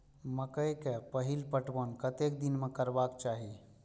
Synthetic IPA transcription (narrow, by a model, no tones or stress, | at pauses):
məkəjkepəɦilpəʈbənkət̪ekd̪inmekəɾbakt͡ʃaɦi